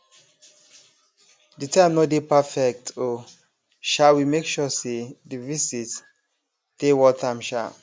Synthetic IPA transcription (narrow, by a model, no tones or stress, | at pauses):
ditãɪ̃mnɔtdepafɛk̚tʰo | ʃawimekʃɔsedivisit | d̥ewɔtʰãmʃa̰